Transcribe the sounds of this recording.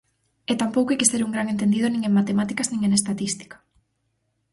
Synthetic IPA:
et̪ampowkoejkɪseɾuŋɡɾaŋent̪end̪iðonĩŋeŋmat̪emat̪ikaznĩŋenest̪at̪ist̪i̥kḁ

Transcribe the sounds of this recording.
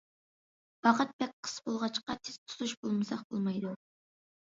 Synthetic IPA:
b̥ɑqət̪̚bɛk̚ʲqʰə̥sbolˠʁɑt͡ʃqɑt̪ʰest̪ʰu̥zuʃbolˠmɨsɑqb̥olˠmɑjd̪u

